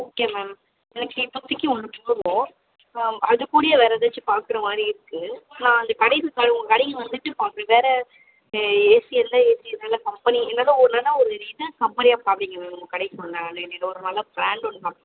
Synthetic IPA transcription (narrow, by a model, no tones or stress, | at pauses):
ɔkːejmaːm | ɛnɐkːɪpːɔt̪ːɯkːɯɔɳːɯtʊɽɯʋõː | ɐðɯkːuːɽɪjɐʋeːɾɐðɐt͡ʃːɯpaːɾkɯɾɐmaːd̪ɾiɪɾɯkːɯnãːɪnd̪ɐkɐɽɐɪsɯkaːɽʊŋɡɐkɐɽɪŋɡɐʋɐnd̪ɯʈːɯpaːɾkɯɾẽʋeːɾɐ | eːsɪɛlːɐeːsɪɐlːɐkɐmpɐniɛnːɐðaːɔɾɯnɐlːɐɔɾɯɾiːðɯkɐmbɐɾɪjaːpaːʋɐɽɪŋɡɐʋeːɳʊŋɡɐkɐɽɐɪkːɯʋɐnd̪ãɐnʋeːnːɪʈːɐɔɾɯnɐlːɐbɾaːɳɖɔɳːɯpaːkɾ